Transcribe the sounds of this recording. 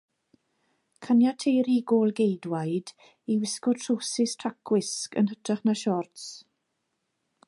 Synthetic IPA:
kʰanjatʰejɾiɡoːlˠɡejdwajd | iwɪskɔtʰrosɪstʰrakʰwɪskə̰nɦətʰraχnaʃɔrts

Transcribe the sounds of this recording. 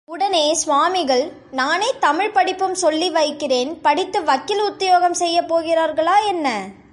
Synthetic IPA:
ʊɽɐneːsʋaːmɪɣɐɭ | naːneːt̪ɐmɪɻpɐɽɪpːɯmsɔlːiʋɐɪkːɪreːnpɐɽɪt̪ːɯʋɐkːɪlʊt̪ːɪjoːɣɐmsɛjːɐpːoːɣɪraːɾɣɐɭaːɛnːɐ

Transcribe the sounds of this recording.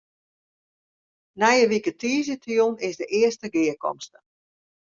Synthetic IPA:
nɛjəʋikətʰiːəzətjonɪzdəʔɪəstəɡɪəkɔ̰mstə

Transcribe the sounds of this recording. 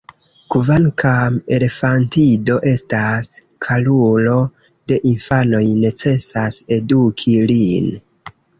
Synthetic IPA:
kuvaŋkʰame̞lefantido̞ʔe̞stas | kʰalulo̞ | d̥e̞ʔinfano̞jne̞t͡se̞sase̞dukʰilin

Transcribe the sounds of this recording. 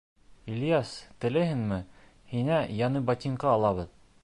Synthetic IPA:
ilʲjɑst̪ɘ̆lɘhɘnmɘ | hinæjɑnɤbɑt̪ʲiɴqɑːlˠɑβɤð

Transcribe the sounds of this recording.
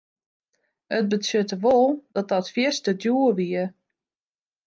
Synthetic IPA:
ət̚bəsjøtəʋolˠd̥ɔt̚dɔtfjɪstədjuəʋiə

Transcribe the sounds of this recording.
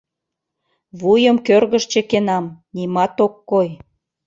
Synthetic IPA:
βujəmkørɣəʃt͡ɕĕkenɑmnimɑt̪okːoj

